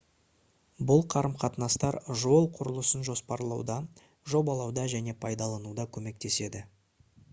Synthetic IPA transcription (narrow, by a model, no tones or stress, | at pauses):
bʊlˠqʰɑɾəmqʰɑt̪nɑst̪ɑɾʒo̞lˠqʰʊɾəlˠəsənʒo̞spɑɾlˠɑwd̪ɑ | ʒo̞bɑlˠɑwd̪ɑʒæne̞pʰɑjd̪ɑlˠɑnud̪ɑkʲʰɵme̞k̚t̪e̞se̞d̪ɪ